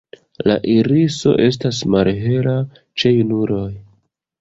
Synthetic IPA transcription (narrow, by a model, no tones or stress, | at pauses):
la̰ʔiɾiso̞̰ʔe̞s̬tasmalɦe̞ɾa | t͡ʃejunuɾo̞j